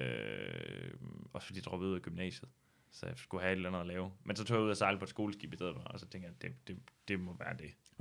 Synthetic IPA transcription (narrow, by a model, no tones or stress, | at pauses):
ø | ɒ̽sfd̥ḭːd̥d̥ʁɒ̽b̥ˠuðˠɡ̥ymnɛ̰ːɕð̞̩ˠ | sɒ̽jasɡ̥uhæe̝d̥lænð̩ˠɒlɛːʊmensɒ̽t͡sʰo̝̰ːjɑuð̰ˠæɐsɑ̈ɪləpʰɒ̽ed̥sɡ̥o̝ːləsɡ̥ḭb̥isdeð̰ˠb̥ɑɒsɒt͡sʰeŋɡ̥jɑd̥ed̥e̝d̥e̝mɒ̽ʋæːɐd̥e̝